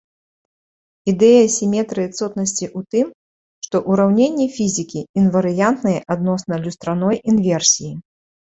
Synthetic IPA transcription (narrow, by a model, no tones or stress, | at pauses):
id̪ɛjɐsʲimʲɛt̪ɾɨɨt̪sɔt̪̚nɐsʲt͡sʲiʔut̪ɨm | ʂt̪ɔʔuɾawnʲenʲːɛfʲizʲikʲiːnvɐɾɨjant̪nɨjɛʔad̪nɔsnɐlʲust̪ɾanɔjʔinvʲɛrsʲiji